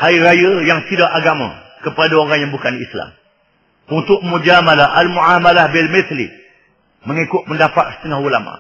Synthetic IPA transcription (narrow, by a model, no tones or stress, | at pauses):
hajɾajəjaŋt̪idaʔaɡamã̰ | kəpadaoɾaŋjaŋbukanḭsla̰m | unt̪ʊʔmud͡ʒamalaʔalmuʔahmalahbɛlmitlḭ | məŋikʊʔ̪̚məndapaʔsə̥t̪əŋahulamã̰